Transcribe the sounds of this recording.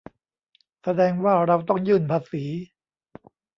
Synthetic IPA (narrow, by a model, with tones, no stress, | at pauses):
sa˧dɛː˧ŋwaː˥˩ɾa˧wt̪ɔ˥˩ŋjɯː˥˩npʰaː˧siː˩˦